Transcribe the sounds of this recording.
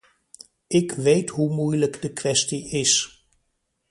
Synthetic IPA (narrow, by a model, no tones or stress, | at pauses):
ʔɪkʋejtɦumujləkdəkʋɛstiʔɪs